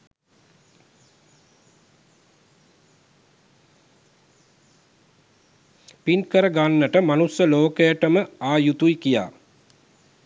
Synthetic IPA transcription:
pinkəɾəɡanːəʈəmanusjəloːkəjəʈəməaːjut̪ujkija̰ː

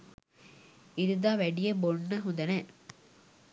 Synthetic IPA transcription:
iɾud̪aːʋæɖijɐboɳːɐɦũnd̪ɐne

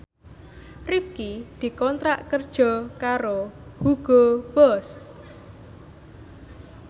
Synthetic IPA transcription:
rifkid̪̥i̤kɔnt̪ɾaʔkərd̥ʒ̥ɔ̤kaɾohuɡ̥ob̥ɔs

